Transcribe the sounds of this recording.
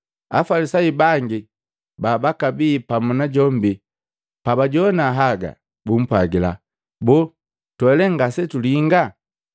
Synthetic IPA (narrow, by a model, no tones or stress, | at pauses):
a̰falisaibaŋɡi | babakabiːpamunaɟɔmbi | pabaɟɔnaɦaɡa̰ | bum̩pwaɡila | bu | twɛlɛŋɡasɛtuliŋɡa